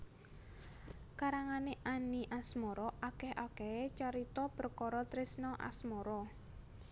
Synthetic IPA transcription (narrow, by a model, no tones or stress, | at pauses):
kaɾaŋaneʔaniʔasmɔɾɔakɛhʔakɛet͡ʃaɾit̪ɔpərkɔɾɔt̪ɾɪsnɔʔa̰smɔɾɔ